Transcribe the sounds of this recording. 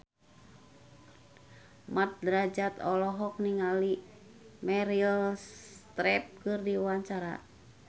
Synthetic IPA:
mat̪̚dɾad͡ʒat̪ɔlɔɦɔk̚niŋali | mɛɾilst̪ɾɛp̚kɨrdiuwaɲt͡ʃaɾa̰

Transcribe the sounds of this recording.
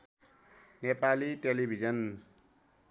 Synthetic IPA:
nepaliʈelibʱid͡zʌn

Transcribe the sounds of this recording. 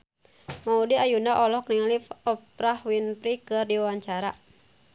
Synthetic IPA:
maudiajunaʔɔlɔk̚niŋlifɔp̚ɾahwinpɾikɨrdiwawaɲt͡ʃaɾa

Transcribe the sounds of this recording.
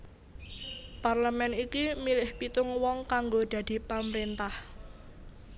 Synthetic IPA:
parləmɛnikimilɪhpit̪ʊŋwɔŋkaŋɡod̪̥a̤d̪̥i̤paməɾent̪ah

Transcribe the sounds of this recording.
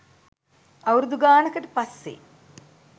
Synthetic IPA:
ɐwɾud̪uɡaːnəkəʈə̥pɐsːḛ

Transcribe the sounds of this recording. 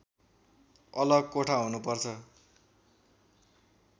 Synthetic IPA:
ʌlʌɡkoʈʰaɦunupʌrt͡sʰʌ

